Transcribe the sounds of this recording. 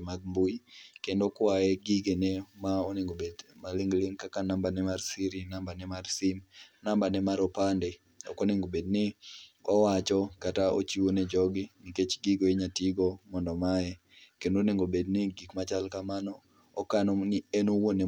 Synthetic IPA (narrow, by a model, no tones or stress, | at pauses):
maɡ̚mbojikendokwajɛɡiɡenemaoneŋɡobedmalɪŋɡlɪŋkakanambanɛmarsiɾinambanɛmarsimnambanɛmaɾɔpandɛ | ɔ̰koneŋɡobednɪɔwat͡ʃɔkataʔo̰t͡ʃiwonɛd͡ʒɔɡɪniket͡ʃɡiɡojeɲatiɡɔmɔndɔmajɛ | kendoneŋɡobednɪɡikmat͡ʃalkamanɔ | ɔkanɔnienowone